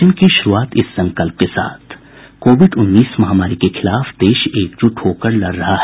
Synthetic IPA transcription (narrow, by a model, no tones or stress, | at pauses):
ɪnkeʃʊɾuaːt̪ɪsːɐ̃ŋkəlp̚kesa̰ːt̪ʰ | koːʋɪɖʊnːiːsmɐɦaːmaːɾikexʰɪlaːfd̪eːʃeːk̚d͡ʒʊʈʰhoːkəɾlɐɾːɐɦaɦ